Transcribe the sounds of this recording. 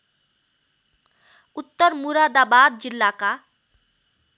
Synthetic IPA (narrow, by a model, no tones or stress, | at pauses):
ut̪ːəɾmuɾad̪abaːd̪̚d͡ʒilːaka